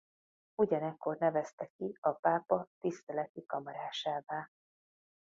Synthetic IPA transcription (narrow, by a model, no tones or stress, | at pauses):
uɟɒnɛkːo̞rnɛvɛst̪ɛkːiɒpaːpɒt̪ist̪ɛlɛt̪ikɒmɒɾaːʃaːvaː